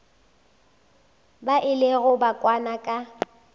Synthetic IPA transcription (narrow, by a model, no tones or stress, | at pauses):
baʔɪlɪɣʊbakʼwanakʼa